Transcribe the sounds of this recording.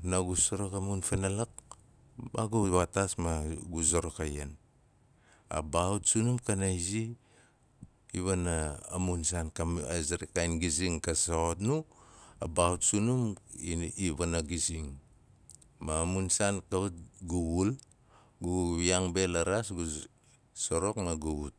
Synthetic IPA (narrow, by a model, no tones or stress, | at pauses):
naɡusoɾokamunfenalak̚ | baɡuβatasmaɡuzoɾokajen | a̰bautsunumkanajzi | βana̰ːmunsankazeɾekajnɡiziŋkasaotnuabautsunum | iβanaɡisiŋ | maːmunsankaut̚ɡuβul | ɡujaŋbe̞laɾasɡu | soɾo̞kmaɡuβut̚